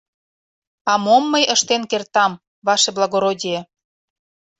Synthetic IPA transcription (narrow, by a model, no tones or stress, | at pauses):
ɑmomːəjʔəʃt̪enkert̪ɑm | βɑʃeblˠɑɣoɾodʲije